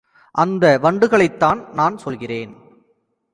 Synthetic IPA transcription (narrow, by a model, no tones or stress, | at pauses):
ʔɐnd̪ɐʋɐɳɖɯɣɐɭɐɪt̪ːaːnnaːnsɔlɣɪreːn